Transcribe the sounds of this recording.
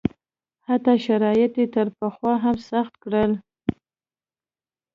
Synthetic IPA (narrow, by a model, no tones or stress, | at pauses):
hat̪ɑʃaɾɑjɪt̪et̪əɾpəxwɑɦamsaxt̪kɽəl